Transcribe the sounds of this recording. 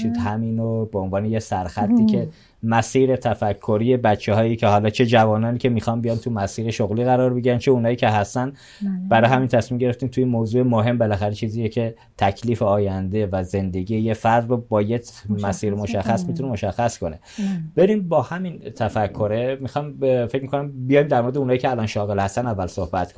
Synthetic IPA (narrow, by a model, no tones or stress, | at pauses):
ʃid̪hæmiːnobeonvɒːnejesæɾxæt̪ʰːiːkʰe̞ | mæsiːɾet̪ʰæfækʰːoɾiːjebæt̪t͡ʃʰːe̞ɦɒːjiːcʰe̞hɒːlɒːt͡ʃʰe̞d͡ʒævɒːnɒːniːcʰʲe̞miːxɒmbijɒːnt̪ʰumæsiːɾe̞ʃoɣliːɣæɾɒːɾbe̞ɡiɾænt͡ʃʰe̞unɒːjiːcʰʲe̞ɦæst̪æn | b̥æɾɒːɦæmint̪ʰæsmimɟe̞ɾeft̪iːmt̪ʰuiːnmoːzuːemoɦe̞mbelæxæɾet͡ʃʰiːziːjecʰe̞ | t̪ʰækʰliːfeɒːjænd̪evæze̞nd̪e̞ɡiːjejefæɾd̪robɒːjet̪mæsiːɾmo̞ʃæxːæsmit̪unemo̞ʃæxːæskʰo̞ne̞ | b̥e̞ɾinbɒːhæmint̪ʰæfækʰːo̞ɾemixɒjmfe̞cmikʰonæmbijɒjmd̪æɾmoɾd̪eunhɒiːcʰeælɒnʃɒːɣe̞lhæst̪ænævːælsohbæt̪̚kʰon